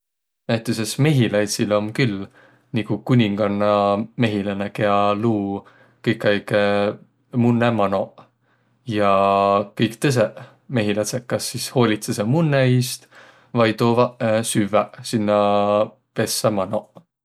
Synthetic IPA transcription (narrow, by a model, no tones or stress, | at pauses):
næjt̪ːˑusesme̞ɦilɑjt̪silomkylː | nikukunʲiŋɡ̥ɑnːɑme̞ɦilɑnekeɑluː | kɤjkˑɑjɡ̥e | munːemɑno̞ | jɑkɤjkt̪ɤs̬e | me̞ɦilɑsekːɑsːisho̞ːlʲit̪sesemunːeist̪ | vɑjt̪oːvɑsyvæsinːɑ | pe̞sːemɑno̞